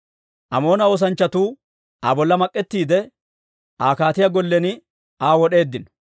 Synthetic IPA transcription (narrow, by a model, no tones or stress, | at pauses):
ʔɐmo̞ːnɐo̞ːs̬ɐnt͡ʃːɐt̪uː | ʔa̰ːbɔlːɐmɐkʼːɛt̪ːiːd̪ɛ | aːkaːt̪ɪjaɡɔlːɛnɪ | aːwɔɗe̞ːd̪ːɪnɔ̥